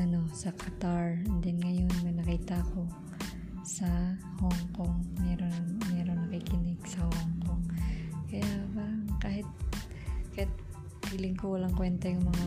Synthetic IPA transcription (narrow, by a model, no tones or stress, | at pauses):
ʔɐno̞sɐkʰɐt̪aɹnd̪ɛnŋɐjo̞nmɐjnɐkiːt̪ɐko̞ | sɐ | hoŋkoŋmɛɾomɛɾoŋnɐkikɪnɪɡsɐhoŋkoŋkɐjabakaːhɪt̪̚ | kɐjat̪̚ | bilɪŋkowɐlaŋkwɛnt̪ɐjʊŋmɐŋa